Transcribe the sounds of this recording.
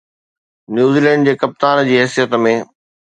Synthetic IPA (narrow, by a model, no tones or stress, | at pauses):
njuːziːlɛ̃ːɳɖd͡ʑeːkɐp̚t̪aːnd͡ʑiːɦɛːsijət̪mẽː